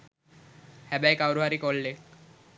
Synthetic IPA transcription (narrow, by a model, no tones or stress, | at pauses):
hɛbajkawɾoɦaɾikolle